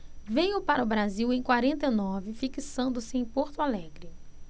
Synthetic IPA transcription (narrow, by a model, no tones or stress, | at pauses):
vejʊpaɾɐʊbɾaziwẽj̃kwaɾẽnt̪ɐjnɔvɪfikisɐ̃nd̪ʊsɪẽj̃poɾt̪ʊalɛɡɾɪ